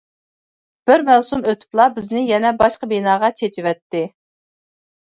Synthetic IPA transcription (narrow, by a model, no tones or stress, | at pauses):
b̥ɪɾmælsumøt̪ʰy̥p̚lˠɑbɪznɪjɛnɛbɑʃqəbinɑːʁɑt͡ʃʰet͡ʃʰiwɛt̪ːɪ